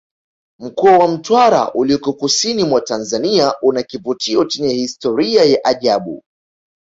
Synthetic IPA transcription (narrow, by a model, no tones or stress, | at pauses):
m̩kɔawam̩twaɾa̰ʔuliɔkɔkusinimwatanzaniaʔunakivutʰiɔt͡ʃɛɲɛhistɔɾiajaʔaʄaɓṵ